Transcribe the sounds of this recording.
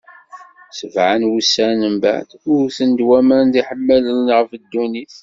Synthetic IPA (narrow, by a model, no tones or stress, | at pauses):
səvʕanwusːænəmbæ̰d̪ʊɾθənd̪wæmænd̪iħəmːælənnʁəfəd̪ːuniθ